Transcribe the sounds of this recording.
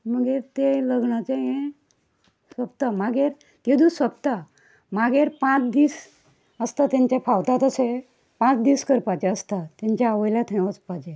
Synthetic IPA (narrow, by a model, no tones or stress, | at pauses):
məɡeɾt̪eləɡɳat͡ɕeɦẽ | sʋəpt̪amaɡʱeɾ | t̪ed̪usʋəp̚t̪a | maɡeɾpãt͡sd̪iːs | əst̪at̪jãɲt͡ɕjapʰawt̪at̪əse | pãt͡sd̪iːskəɾpat͡ɕeəst̪at̪ãɲt͡ɕaːʋəjljat̪ʰẽʋət͡spad͡ʑe